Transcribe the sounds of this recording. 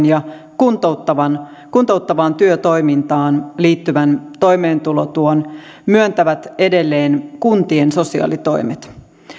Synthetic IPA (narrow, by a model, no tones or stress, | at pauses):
njɑ | kunt̪out̪ːɑʋɑn | kunt̪out̪ːɑʋɑːnt̪yøt̪o̞jmint̪ɑːnliːt̪ːyʋænt̪o̞jme̞ːnt̪ulot̪uon | myønt̪æʋæt̪e̞de̞lːe̞ːnkunt̪ienso̞siɑ̰ːlit̪o̞imet̪